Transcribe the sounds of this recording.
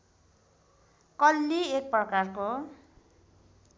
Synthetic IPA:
kʌlːiek̚prʌkarko

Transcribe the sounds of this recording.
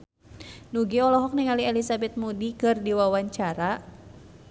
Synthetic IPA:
nuɡiɔlɔɦɔk̚niŋaliɛlisabɛt̪̚mudikɨrdiwawaɲt͡ʃaɾa

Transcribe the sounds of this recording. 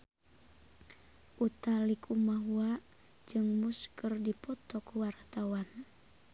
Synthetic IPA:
ʔut̪alikʰumaɦuaʔ | d͡ʒɨŋmuskərdipɔt̪ɔkuwart̪awan

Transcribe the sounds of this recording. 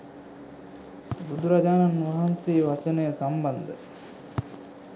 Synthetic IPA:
bud̪uɾɐd͡ʒaːnɐnːuʋɐɦɐnsiːʋɐt͡ʃənejːsambɐnd̪ə

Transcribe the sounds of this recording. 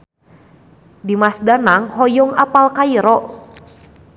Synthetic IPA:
dimasdanaŋhɔjɔŋapalkaiɾɔʔ

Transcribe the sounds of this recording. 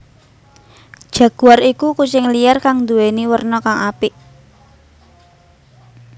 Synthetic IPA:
d̥ʒ̥a̤ɡ̥uarikukut͡ʃɪŋlijarkaŋnd̪uweniwərnɔkaŋapiʔ

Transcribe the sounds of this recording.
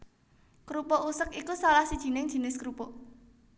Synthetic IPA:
kɾupɔʔusəkikusalahsid̥ʒ̥i̤nɪŋdʒ̥i̤nɪskɾupɔ

